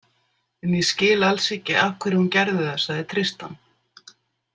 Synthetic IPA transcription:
ɛnjɛscɪːlalsɪcːɪafkʰvɛɾɪhuncɛɾðɪθɛsaðɛt̪ʰɾɪst̪an

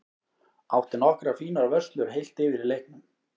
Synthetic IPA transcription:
awht̪ɪnɔhkɾafiːnaɾavœrst̪lʏɾ̥ɦejl̥t̪ɪːvɪɾilejhk̚nʏm

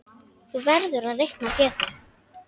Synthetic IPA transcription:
θuvɛɾðʏɾaðrejhknapjɛːt̪ʏ

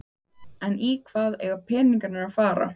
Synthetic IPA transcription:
ɛnikʰv̥aːðɛ̰ɣapʰɛːniŋkaɾnaɾafaːɾa̰

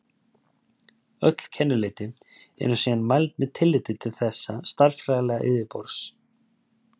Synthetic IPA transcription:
œ̰t̪l̥cʰɛnːʏlɪːt̪ɪɛ̰nʏsiːanmajlt̪̚mɛðt̪ʰɪlːɪːt̪ɪt̪ʰɪlθɛsːast̪aɾfɾaːɣalɛɣaʔɪðɪpɔɾs

